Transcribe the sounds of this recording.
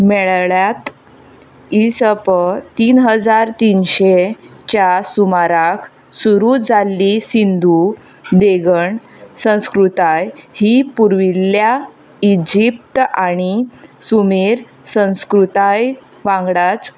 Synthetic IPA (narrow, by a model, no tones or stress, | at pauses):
mɛɭɭjat̪ | isəpət̪iːnɦəd͡zaɾt̪inɕet͡ɕjasumaɾak | suɾud͡zalːisind̪u | d̪eɡəɳ | sə̃w̃skɾut̪ajhipuɾʋilːja | id͡ʑip̚t̪aɽ̃isumiːɾ | sə̃w̃skɾut̪aj | ʋãŋɡɽat͡s